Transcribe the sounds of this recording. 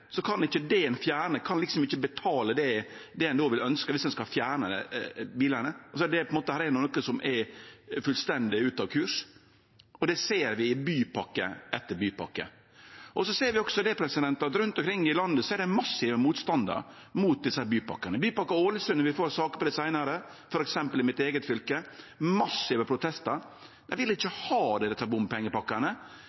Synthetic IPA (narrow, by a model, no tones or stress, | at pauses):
sɔkʰɑnɪçːəd̪ɛɛnfjæːɳəkʰɑnlɪksɔmɪçːəbɛt̪ʰɑːləd̪ɛ | d̪ɛɛnd̪oːʋɪlœnskəʋɪsd̪ɛnskɑfjæːɾɳəbiːləɳəsɔd̪ɛpɔɛnmoːt̪əhæːɾɛnːnɔkːəsɔmʔɛfʉlst̪ɛnd̪ɪʉːt̪ɑʋkʰʉːʂ | ɔd̪ɛseːɾʋɪɪbyːpʰɑkːə̰ʔɛt̪ːəɾbyːpɑ̰kːə̰ | ʔɔsɔseːɾʋɪɔksɔd̪ɛpʰɾɛsɪd̪ɛnt̪əɑt̪ɾʉnt̪ɔmkɾɪŋːɪlɑnd̪əsɔɛɾɖ̪ɛmɑsːɪʋəmuːt̪st̪ɑnd̪ə̰ɾ | muːt̪̚d̪ɪsəhæːɾbyːpɑ̰kːənəbyːpɑkːəoːləsʉnəʋɪfoːɾsɑːkəpɔd̪ɛsæɪnɑɾə | fɔɾɛksɛmpəlɪmɪt̪eːɡət̪fʏlkəmɑsːɪʋəpʰɾʊt̪ʰɛst̪əɾ | d̪æɪʋɪlɪçːəhɑːd̪ɛd̪ɛt̪ːɑbʊmpɛŋːəpɑkːənə